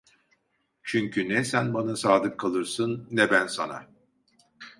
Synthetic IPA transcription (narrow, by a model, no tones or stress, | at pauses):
t͡ʃʰyɲcʰynɛsænbanasaːd̪ɯkʰːalˠɯɾsɯnːɛbænsa̰na̰